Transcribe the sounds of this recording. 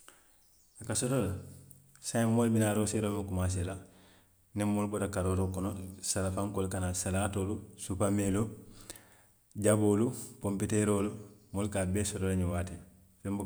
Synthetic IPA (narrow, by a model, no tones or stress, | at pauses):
akasɔtola | sammolbinaːɾoseɾomukumas̬ela | nɛmːolubotakaɾoːɾokɔnosalafãŋkoːlkanasalaːtoːlusupameːlo | ɟaboːlupompitɛɾoːlumolukabɛːsɔtolaɲɛwaːte | fɛmb